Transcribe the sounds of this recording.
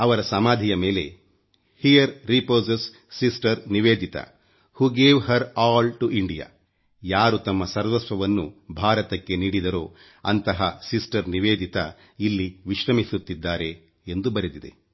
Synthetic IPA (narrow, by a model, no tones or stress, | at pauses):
ɐʋɐɾɐsɐmaːd̪ʱijɐme̞ːle̞̰ | hijɐɾːipoːsesː | isʈɐɾniʋeːd̪ʱit̪ɐ̰ | huːɡeːʋɦɐɾaːlʈuʔiɳɖija̰ː | jaːɾut̪ɐmːɐsɐɾʋɐtsʋɐʋɐnːubʱaːɾɐt̪ɐkːeniːɽid̪ɐɾoː | ɐ̰nt̪ɐɦɐsisʈɐɾniʋeːd̪ʱit̪ɐ | ilːiʋiʃɾɐmisut̪ːid̪ːaːɾe̞ː | nd̪ubɐɾed̪id̪e̞̰